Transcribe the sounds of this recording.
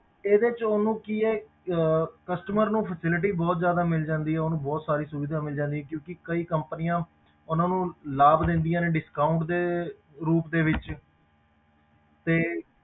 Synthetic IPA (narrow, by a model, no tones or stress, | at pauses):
eːd̪eːt͡ʃoːnũːkieː | kəsʈəməɾnũːpʰəsɪlʈ̬iːbɔːt̪zjaːd̪aːmɪld͡ʒãːnd̪iːɦɛːonũːbɔːt̪saːɾiːsʊʋɪd̪ãːmɪld͡ʒãːnd̪iɦɛːkjõːkɪkəiːkəmpənɪjãː | ʊnãːnũːlaːbd̪ẽnd̪ijãːneːɖɪskaːʊɳʈd̪eː | ɾuːpd̪eːʋɪt͡ʃ | t̪eː